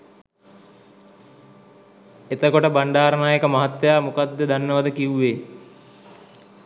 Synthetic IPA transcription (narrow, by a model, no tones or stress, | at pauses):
et̪əkoʈəbaɳɖaːɾənaːjekəmaɦat̪ːjaːmukad̪ːed̪anːəʋad̪əkiuʋeː